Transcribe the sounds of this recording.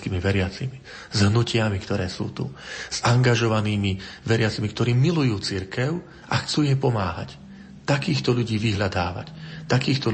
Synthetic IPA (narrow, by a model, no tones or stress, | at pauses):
kiːmiʋɛɾɪat͡simi | zɦnucɪamikt̪ɔɾɛːsṵːt̪ṵz̥aŋɡaʒɔʋaniːmiʋɛɾɪat͡simikt̪ɔɾiːmilujuːt͡siɾkɛʊ | ʔaxt͡suːjɛpɔmaːɦa̰c | t̪akiːxt̪ɔʎuɟiːʋiɦʎad̪aːʋa̰ct̪akiːxt̪ɔ